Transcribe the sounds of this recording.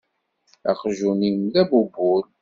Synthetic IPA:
æ̰qʒunimðæbubʊl

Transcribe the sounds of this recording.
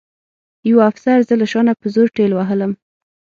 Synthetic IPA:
jawaafsaɾzəlaʃɑnapəzoɾʈelwaɦələm

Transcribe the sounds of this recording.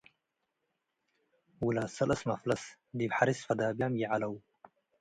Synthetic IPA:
wulaːsɐlʔɐsmaflɐs | d̪ibħaɾisfɐd̪aːbjamjiʕalɐw

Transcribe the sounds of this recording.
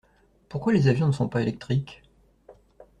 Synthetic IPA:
puʁkwalezavjɔ̃nəsɔ̃paelɛk̚t̪χik

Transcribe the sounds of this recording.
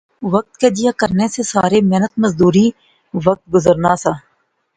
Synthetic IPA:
ʋək̚t̪̚keːd͡ʒ̪ɪjaːkəɾnesesaːɾeːmeːnət̪məzd̪uːɾiː | ʋək̚t̪̚ɡʊzəɾnaːsaː

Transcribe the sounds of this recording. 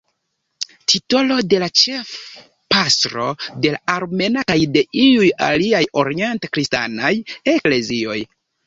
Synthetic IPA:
tʰito̞lo̞de̞lat͡ʃe̞f | pastɾo̞de̞laaɾme̞nakajde̞ʔiuja̰liajo̞ɾie̞ntakɾista̰naje̞kle̞zio̞j

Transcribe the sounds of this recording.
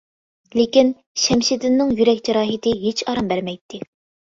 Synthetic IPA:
lekʲin | ʃɛmʃɪd̪ɪnːɪŋjyɾɛkʲd͡ʒɛɾɑːɦɪt̪ɪɦet͡ʃʰɑɾɑmbæɾmɛjt̪ʰːɪ

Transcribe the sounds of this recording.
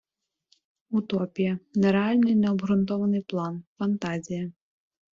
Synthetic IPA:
ut̪ɔpʲijɐnɛɾɛalʲnɨjnɛɔbɦɾʊnt̪ɔvɐnɨjplˠanfɐnt̪azʲijɐ

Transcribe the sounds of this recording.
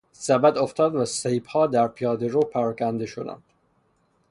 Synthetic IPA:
sæbæd̪oft̪ɒːd̪væsejbhɒːd̪æɾpʰijɒːd̪eɾopʰæɾɒːkʰænd̪e̞ʃod̪æ̰nd̪̥

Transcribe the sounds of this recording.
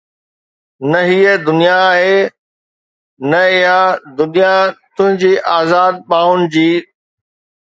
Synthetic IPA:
nɐɦiəd̪ʊnijaːɦeː | nɐɪɦad̪ʊnijat̪ʊ̃ɦɪ̃ɲd͡ʑiːʔaːzaːd̪̚ɓaːʊnɪ̆d͡ʑiː

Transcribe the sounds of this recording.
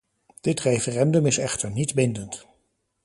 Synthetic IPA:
d̥ɪtrejfərɛndɵmɪsɛχtəɹnidbɪndənt

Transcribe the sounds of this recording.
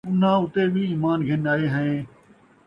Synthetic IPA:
ʊn̤ãːʊt̪eːbʱiiːmaːnɡʱɪnaːeːɦəẽː

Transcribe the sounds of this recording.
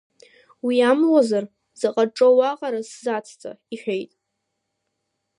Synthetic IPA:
wiamlozar | zaqʼaʈ͡ʂʼowaqʼaɾaszat͡sʰt͡sʼa̰iħʲʷᶣejtʼ

